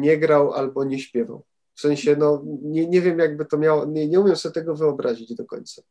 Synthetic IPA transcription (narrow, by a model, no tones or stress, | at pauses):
ɲɛɡɾawʔa̰lbɔɲɛɕpʲjɛva̰w | fsɛ̃ɲ̃ɕɛnɔɲɛɲɛvʲjɛmjaɡ̚bɘt̪ɔmʲjawɔɲɛɲɛumʲjɛmsɔbʲjɛt̪ɛɡɔvɘɔbɾaʑid͡ʑd̪ɔkɔ̰ɲt̪sḁ